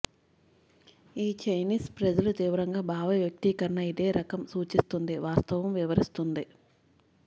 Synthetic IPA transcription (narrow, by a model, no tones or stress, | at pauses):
iːt͡ʃɐjniːspɾɐd͡ʒɐlut̪iːʋɐɾɐŋɡaːbʱaːʋɐʋjɐk̚t̪iːkɐɾɐɳɐid̪e̞ːɾɐkɐmsuːt͡ʃist̪und̪iʋaːst̪ɐʋɐmʋiʋɐɾist̪und̪i